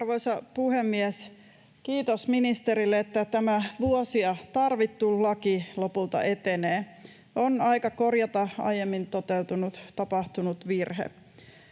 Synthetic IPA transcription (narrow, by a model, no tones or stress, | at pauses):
ɑrʋoisɑpuhemːiæs | kiːt̪osminist̪eɾilːeet̪ːæt̪æmæʋuosiɑt̪ɑrʋit̪ːullɑkilopult̪ɑ̰ʔet̪eneː | onɑikɑkorjɑt̪ɑɑ̰jemːint̪ot̪ewt̪unut̪t̪ɑpɑht̪unut̪ʋirhḛ